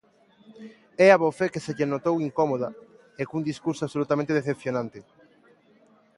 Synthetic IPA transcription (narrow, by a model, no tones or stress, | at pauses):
ɛaβofekeseʎenot̪owiŋkomoðɐ | ekund̪iskuɾsoaβsolut̪amẽnt̪eðeθep̚θjonãnt̪e